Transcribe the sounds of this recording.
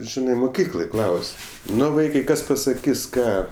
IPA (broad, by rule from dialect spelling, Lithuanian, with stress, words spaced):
ˈʒʲɪnɐɪ mʊˈkʲiːklˠoːj ˈklˠɐʊsʲ ˈnʊ ˈʋɐɪkɐɪ ˈkɐs pɐsɐˈkʲɪs ˈkɑː